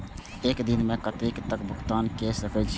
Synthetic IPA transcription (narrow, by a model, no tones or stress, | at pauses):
eːkd̪ɪnmẽkət̪eːkt̪əkbʱʊkʰt̪aːnkesəfʰəd͡ʒ